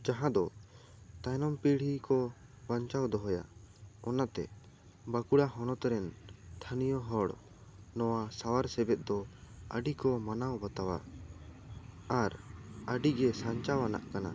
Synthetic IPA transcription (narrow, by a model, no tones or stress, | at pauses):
d͡ʒaɦãd̪ɔ | t̪ajnɔmpiɽ̤ikɔbaɲt͡ʃawd̪ɔɦɔja̰ | ɔnat̪ɛ̰ | bakuɽaɦɔnɔt̪ɾɛnt̪ʰanijɔɦɔɽ | nɔwasawaɾsɛbɛt̪̚ˀd̪ɔəɖikɔmanawbat̪awa̰ | aɾəɖiɡɛsaɲt͡ʃawana̰ʔkana̰